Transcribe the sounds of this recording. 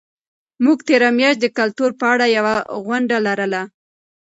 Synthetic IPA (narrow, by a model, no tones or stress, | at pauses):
muɡt̪eɾamjɑʃt̪̚d̪əkalt̪uɾpəaɽajawaɣwaɳɖalaɾəla